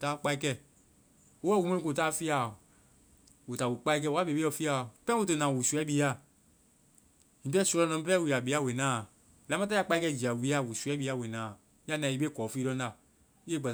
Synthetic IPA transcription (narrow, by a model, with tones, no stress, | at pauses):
taː˦k͡pa˧i˦kɛ˧˨ | u˦wɛ˦˨wu˨˧mẽ˦ĩ˦ko˨taː˦fi˦a˨ | u˨ta˨wu˨k͡pa˦i˦k̬ɛ˧˨wa˦be˨be˦ɔ˧˨fi˦a˨˦pɛ̃˦u˨˧tɨ˧˨nãː˨wu˨su˧˦ɛ˦biː˦a˦˨ | ɲĩ˨˦pɛ˦su˧˦lɔ˧nɔ̃˧˦pɛ˦˨wi˨˧˨a˨bi˨˧˦a˦we˨nãː˦˨ | la˨˦ã˦ta˦a˦k͡pa˧i˦kɛ˧˨d͡ʒi˨a˨wi˧˦a˦˨wu˨su˨˧ɛ˦bi˧˦a˦˨we˨nãː˨ | ja˦˨nã˨i˧be˦kɔː˨˦fi˦dɔ̃˧˦n˦a˨˦ | e˦˨ɡ͡bɛ˨